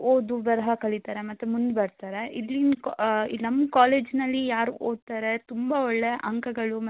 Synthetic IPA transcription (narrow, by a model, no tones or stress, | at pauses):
oːd̪uʋɐɾɐɦɐkɐɭit̪aːɾe̞mɐt̪ːumund̪bɐɾt̪aːɾe̞ilːinkinɐmːkaːleːd͡ʒnɐlːijaːɾuoːd̪̚t̪aːɾe̞t̪umbaɔɭːejɐʔɐŋkɐɡɐɭumɐ